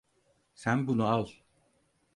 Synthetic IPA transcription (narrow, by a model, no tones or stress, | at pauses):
sænbunualˠ